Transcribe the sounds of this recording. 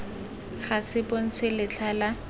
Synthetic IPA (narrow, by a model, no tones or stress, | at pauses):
χasɪpon̩t͡sʰɪlɪt͡ɬʰala